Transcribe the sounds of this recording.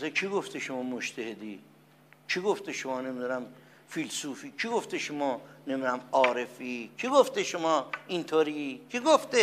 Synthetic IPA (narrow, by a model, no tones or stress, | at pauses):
set͡ʃʰiːɡoft̪eʃomɒːmot͡ʃt̪ʰehed̪iː | t͡ʃʰiɡoft̪eʃomɒːne̞mid̪unæm | filsuːfiːt͡ʃʰiɡoft̪eʃomɒːnemid̪unæmɒːɾefikʰiɡoft̪eʃomɒːint̪ʰoːɾikʰiɡoft̪e